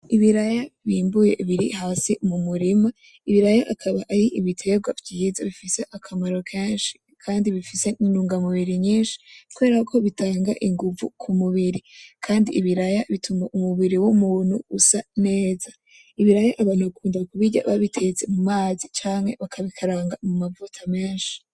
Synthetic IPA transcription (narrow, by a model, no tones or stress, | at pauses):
iβiɾajaβiːmbuje̞̰βiɾḭɦaːsimumuɾima | iβiɾajaʔakʰaβaʔaɾiʔiβitʰe̞ɡwavjizaβifise̞ʔakʰamaɾo̞kʰeːnʃi̥ | kʰaːndiβifise̞inuːŋɡamuβiɾiɲiːnʃi̥kuβe̞ːɾakʰo̞βitaːŋɡaʔiŋɡuvṵkʰumuβiɾikʰaːndiʔːβiɾajaβitʰumaʔumuβiɾiwumuːn̥huusane̞ːza | iβiɾajaʔaβanukʰuːndakuβiɟa̰βaβitʰe̞ze̞mumaːzit͡ʃaːŋhe̞βakʰaβikʰaɾaːŋɡamumavutʰame̞ːnʃi̥